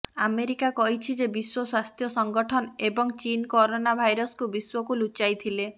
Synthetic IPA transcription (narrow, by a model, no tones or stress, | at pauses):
ameɾikakɔɦit͡ʃʰid͡ʒebiswɔswast̪ʰjɔsɔŋɡɔʈʰɔnebɔŋt͡ʃinkoɾonabʱajɾɔskubiswɔkulut͡ʃajt̪ʰile